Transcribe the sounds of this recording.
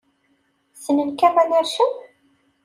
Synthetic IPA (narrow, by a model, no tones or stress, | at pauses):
sənənkæmænəɾʃi